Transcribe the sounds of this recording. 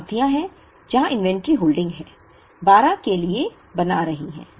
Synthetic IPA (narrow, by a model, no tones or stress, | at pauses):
t̪ijãɦɛ̃ | d͡ʒɐɦãʔɪ̃nʋɛ̃ɳʈɾiɦoːlɖɪ̃ŋɡɦɛ̃ː | baːɾãkelie | bɐnaɾɐɦiɦɛ̰̃ː